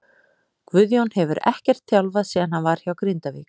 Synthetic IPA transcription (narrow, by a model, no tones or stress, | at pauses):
kvʏðjownhɛvʏɾɛ̰hcɛr̥t̪θjawlvaðsɛːðanhanvaɾ̥çjawkɾɪnt̪avḭːk